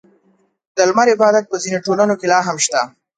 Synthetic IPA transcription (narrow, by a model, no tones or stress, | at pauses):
d̪̥əlmaɾɪbɑd̪at̪̚pəzinoʈolanokelɑɦamʃt̪a